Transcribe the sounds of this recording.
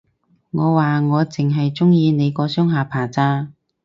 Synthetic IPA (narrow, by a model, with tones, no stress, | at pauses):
ŋɔː˨˧waː˨ŋɔː˨˧t͡sɪ˨ŋɦɐ˨jt͡sʊ˥ŋjiː˧ne˨˧jkɔː˨˧sœː˥ŋɦaː˨˧pʰaː˨˩t͡saː˥